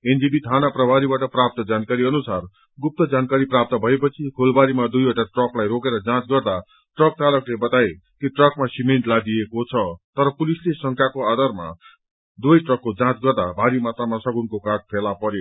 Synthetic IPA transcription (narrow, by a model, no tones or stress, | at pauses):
end͡zibit̪ʰanaprʌbʱaɾibaʈʌprap̚t̪ʌd͡zankaɾiʌnusar | ɡup̚t̪ʌd͡zankaɾiprap̚t̪ʌbʱʌepʌt͡sʰikʰolbaɾimad̪ujoʈaʈrʌklajɾokeɾʌd͡zãt͡sɡʌrd̪a | ʈrʌk̚t̪alʌklebʌt̪ae | kiʈrʌkmasimeɳʈlad̪iekot͡sʰʌt̪ʌɾʌpulislesʌŋkʰjakoad̪ʌrma̰ | d̪wojʈrʌkːod͡zãt͡sɡʌrd̪abʱaɾimat̪ramasʌɡunkokaʈ̚pʰelapʌɾjo